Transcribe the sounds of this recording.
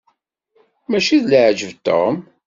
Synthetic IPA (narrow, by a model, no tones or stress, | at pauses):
mæʃiðləʕd͡ʒəvt̪ːo̰m